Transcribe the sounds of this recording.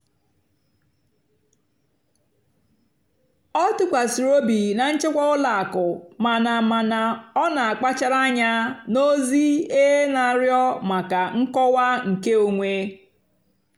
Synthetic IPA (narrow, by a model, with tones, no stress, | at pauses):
ɔ˦tʊ˦kʷa˨si˨ɾo˦bi˨na˨n̩˦t͡ʃɪ˦kʷɔ˦ʊ˦la˨a˨kʊ˨ma˨na˨ma˨na˨ɔ˦na˨a˨k͡pa˦t͡ʃa˦ɾa˦ɲa˦no˦zi˦e˦na˨ɾjɔ˦ma˨ka˨ŋ̩˦kɔ˦wa˦ŋ̩˨ke˦o˨ŋʷe˦